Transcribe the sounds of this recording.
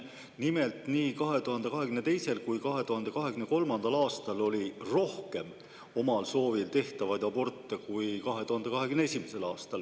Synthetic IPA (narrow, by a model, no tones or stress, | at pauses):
nime̞lt̪niːkɑɦe̞t̪uhɑnd̪e̞kɑɦe̞kymnet̪e̞jse̞lkujkɑɦe̞t̪uhɑnd̪e̞kɑɦe̞kymne̞ko̞lmɑnd̪̥ɑlɑːst̪ɑlo̞lʲiro̞hke̞m | o̞mɑlso̞ːvilt̪e̞ht̪ɑvɑjd̪̥ɑbo̞rt̪ːekujkɑɦe̞t̪uhɑnd̪̥e̞kɑɦe̞kymneesʲimese̞lɑːst̪ɑl